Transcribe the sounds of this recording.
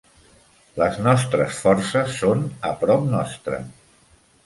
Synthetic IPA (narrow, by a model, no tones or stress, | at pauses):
ləznɔst̪ɾəsfɔɾsəsːonəpɾɔp̚nɔst̪ɾə̰